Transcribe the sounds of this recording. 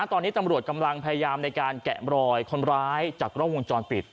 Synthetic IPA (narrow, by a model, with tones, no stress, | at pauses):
a˦˥t̪ɔː˧nːiː˦˥t̪a˧mɾu˨˩ət̪̚ka˧mla˧ŋpʰa˧ja˧jaː˧mna˧jkaː˧nkɛ̰˨˩ʔɾɔː˧jkʰo˧nɾaː˦˥jt͡ɕaː˨˩kɾɔː˥˩wo˧ŋt͡ɕɔː˧npi˨˩t̪̚